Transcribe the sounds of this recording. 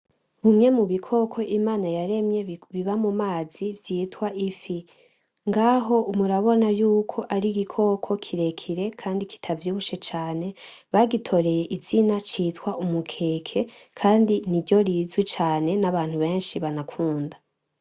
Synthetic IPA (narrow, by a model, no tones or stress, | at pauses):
humɲe̞muβikʰo̞kʰo̞ʔimaːnajaɾe̞mɲe̞βiβamumaːzivjiːtwaʔifi | ŋɡaɦo̞umuɾaβo̞najuːkʰo̞ʔaɾiɡikʰo̞kʰo̞kʰiɾe̞kʰiɾe̞kʰaːndikʰi̥tʰavjuβuʃe̞t͡ʃaːne̞ | βaɡitʰo̞ɾe̞je̞ʔiz̥inat͡ʃiːtwaʔumukʰe̞kʰe̞ | kʰaːndiniɾɟo̞ɾizwit͡ʃaːne̞naβaːn̥huβe̞ːnʃiβanakʰuːnda